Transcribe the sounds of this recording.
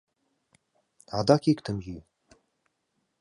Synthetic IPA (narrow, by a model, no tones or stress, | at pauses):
ad̪akʲikt̪ʰɨmji